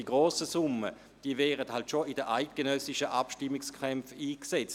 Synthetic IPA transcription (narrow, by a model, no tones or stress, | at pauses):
iɡʁoːsəsʊmə | d̥iːəvɛːʁəthaltʃoɪdəʔaɪt̚ɡ̥enœsɪʃəʔapʃtɪmːɪkskʰɛmfiːksɛt͡s